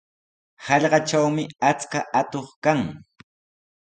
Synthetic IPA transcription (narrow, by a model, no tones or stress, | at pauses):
hɑʎɢɑt͡ʃawmɪat͡skaʔat̪oχkaŋ